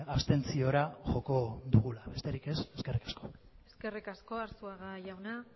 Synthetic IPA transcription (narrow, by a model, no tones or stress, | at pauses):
aβst̪e̞nt͡sio̞ɾaʝo̞ko̞ðuɣ̞ulaβe̞st̪e̞ɾike̞se̞ske̞rikḁsko̞eske̞rikasko̞aɾsuaɣaʝawna